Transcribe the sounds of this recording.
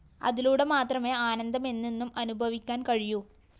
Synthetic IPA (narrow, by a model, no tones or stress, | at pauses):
ɐ̰ðiluːɽemaːt̪rɐme̞ːaːnɐnd̪ɐme̞nːinːumɐnubʱɐʋikʲːaːnkɐɻiju